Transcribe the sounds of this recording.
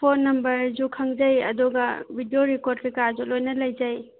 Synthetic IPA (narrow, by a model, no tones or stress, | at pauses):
pʰonːɐmbɐɾd͡ʒukʰɐŋd͡ʒɐjɐ̰duɡɐbʱidioɾikoɾd̚kikad͡ʒulojnɐlɐjd͡ʒɐj